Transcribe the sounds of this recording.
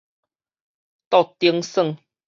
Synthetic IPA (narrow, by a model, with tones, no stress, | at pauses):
t̪ɔ˥˧˨t̪i˧əŋsə˥˧˨ŋ